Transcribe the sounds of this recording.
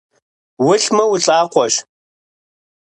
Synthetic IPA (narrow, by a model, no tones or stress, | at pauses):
wʊɬmɐwʊɬʼaːqʷɔɕ